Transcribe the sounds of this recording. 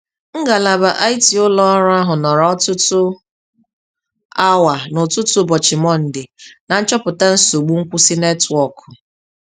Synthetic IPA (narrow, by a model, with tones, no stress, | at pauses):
ŋ̩˦ɡa˨la˨ba˨ʔa˦jti˨ʊ˦lɔ˦ɾʊ˦a˦ɦʊ˨nɔ˨ɾɔ˦tʊ˦tʊ˦ | a˦wa˨nʊ˨tʊ˦tʊ˦bɔ˨t͡ʃɪ˨mɔ˦n̩˨dɪ˨na˨n̩˦t͡ʃɔ˦pʊ˨ta˦n̩˦so˨ɡ͡bu˦ŋ̩˦kʷu˦si˦ne˦tɔ˨kʰʊ˨